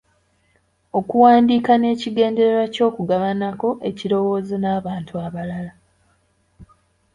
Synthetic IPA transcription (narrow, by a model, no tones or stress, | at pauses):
o̞kuwaːndiːkane̞ːciɡe̞ːnde̞ɾeɾaco̞ːkuɡaβanako̞ʔe̞ciɾo̞wo̞ːzenaːβaːntuaβalala